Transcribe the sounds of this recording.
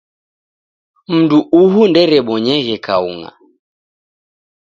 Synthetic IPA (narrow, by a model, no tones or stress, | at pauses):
m̩duʔuɦundɛɾɛɓɔɲɛɣɛkaṵŋa̰